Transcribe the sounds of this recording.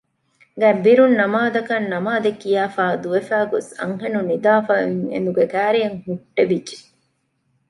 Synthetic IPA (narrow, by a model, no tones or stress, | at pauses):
ɡæbiɾunːɐmaːd̪ɐkɐnːɐmaːd̪ekːijaːfaːd̪uʋefæːɡosɐ̰ŋɦenunid̪aːfaiŋḛnd̪uɡekæːɾijɐŋhuʈːebid͡ʒe̥